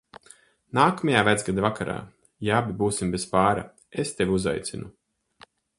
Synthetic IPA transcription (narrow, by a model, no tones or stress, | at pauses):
naːkamajaːvæd̪zɡad̪avakaɾa̰ː | jaabʲibuːsimbespaːɾa̰ | est̪evʲuza̰jt̪sinu